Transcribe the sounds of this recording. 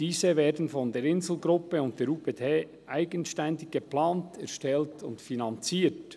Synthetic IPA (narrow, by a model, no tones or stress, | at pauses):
d̥iːzəveːdn̩fɔndeːɾɪnzl̩ˠɡɾʊpːəʊnt̚d̥eːɾuːpʰetʰeː | ʔaɪɡənʃtɛndɪɡɡ̥eplaːntɛɾʃtɛltʰʊ̰ntfinɑnt͡siːt